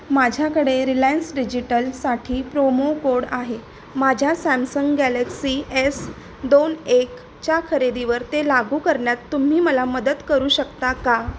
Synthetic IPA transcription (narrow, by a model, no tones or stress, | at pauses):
mad͡ʑʱjakəɽeɾilansɖid͡ʑiʈəlsaʈʰiːpɾomokoɽaɦe | mad͡ʑʱjasæmsəŋɡɡæləksies | d̪onek | t͡ɕjakʰəɾed̪iʋəɾt̪elaɡuːkəɾɳjat̪ːum̤iːməlaməd̪ət̪kəɾuːɕəkt̪aka